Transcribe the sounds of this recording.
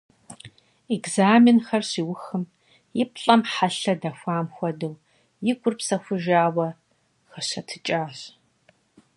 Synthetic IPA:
eɡzaːmɪnxɐrɕiːwʊxɨm | jɪpɬʼɐmħaɬɐdɐxʷaːmxʷɐdɨw | jɪɡʷʊrpsɐxʷʊʒaːwɐ | xɐɕɐtʰɨ̥t͡ʃʼaːɕ

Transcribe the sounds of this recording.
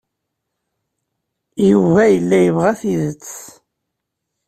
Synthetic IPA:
juvæjəlːæjəvʁæθiðət͡sː

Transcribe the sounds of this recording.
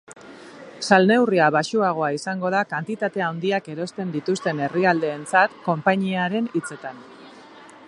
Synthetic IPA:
salne̞wriaβaʃuaɣ̞o̞aisaŋɡo̞ð̞akant̪it̪at̪e̞awnd̪iake̞ɾo̞st̪e̞nd̪it̪ust̪e̞ne̞riald̪e̞ːnt͡sat̪ko̞mpaɲiaɾe̞nit͡se̞t̪an

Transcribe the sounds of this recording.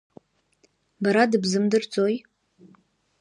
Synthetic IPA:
baɾadɨbzɨmdɨrt͡sʼo̞j

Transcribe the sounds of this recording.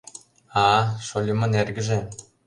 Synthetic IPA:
ɑʃolʲimɤ̆nerɡʲɘ̆ʒĕ

